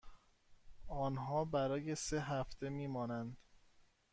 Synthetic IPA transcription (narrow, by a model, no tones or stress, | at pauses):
ɒːnɦɒːbæɾɒːjeseɦæft̪ʰemiːmɒːnænd̪̥